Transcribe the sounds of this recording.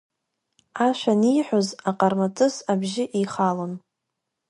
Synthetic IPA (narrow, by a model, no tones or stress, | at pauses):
aʃʷᶣanijħʷᶣozaqʼarmatʼɨsabʒɪʔiχalon